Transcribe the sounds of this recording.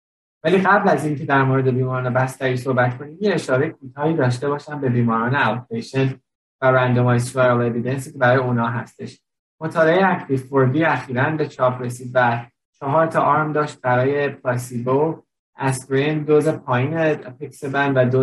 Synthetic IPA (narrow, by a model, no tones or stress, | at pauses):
væliːɢæblæzincʰe̞d̪æɾmoɾe̞d̪e̞biːmɒɾɒːne̞bæst̪æɾiːsohbæt̪̚kʰo̞niːd̪jeeʃɒːɾejekʰuːt̪ʰɒːhiːd̪ɒːʃ̬t̪e̞bɒːʃænbe̞biːmɒːɾɒːneælt̪ʰɾeʃen | væɾænd̪omɒjs̬ueɾlˠe̞vid̪ens̬icʰe̞bæɾɒːjeunɒːɦæ̰st̪e̞̰ʃ | mot̪ʰɒːleejeækʰlifoɾd̪iːæxiːɾænbe̞t͡ʃʰɒːpʰɾe̞siːd̪væ | t͡ʃʰɒɦɒːɾt̪ʰɒʔɒːɾmd̪ɒːʃt̪̚bæɾɒːje̞pʰlɒsibo | æskɾend̪ozepʰɒːiːnepʰiksebænd̪væd̪o